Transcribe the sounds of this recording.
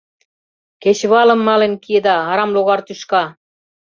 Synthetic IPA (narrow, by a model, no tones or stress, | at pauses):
ket͡ɕβɑlə̆mːɑlenkied̪ɑɑɾɑmloɣɑrt̪yʃkɑ